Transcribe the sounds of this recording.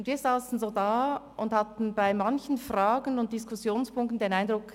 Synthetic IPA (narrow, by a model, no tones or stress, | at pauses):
ʊndviːɐzaːsn̩zoːdaːʔʊndhatn̩baɪmançən̩fʁaːɡənʊnt̚d̥ɪskʊsjoːnspʰʊŋk̚tn̩deːnaɪndʁʊk